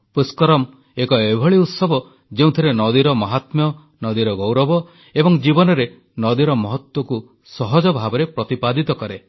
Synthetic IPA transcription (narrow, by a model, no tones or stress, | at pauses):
puskɔɾɔm | ekɔebʱɔɭiut̪sɔbɔ | d͡ʒeũt̪ʰiɾenɔd̪iɾɔmɔɦat̪mjɔ | nɔd̪iɾɔɡɔwɾɔbɔ | ebɔŋd͡ʒibɔnɔɾe | nɔd̪iɾɔmɔɦɔt̪wɔku | sɔɦɔd͡ʒɔbʱabɔɾepɾɔt̪ipad̪it̪ɔkɔɾe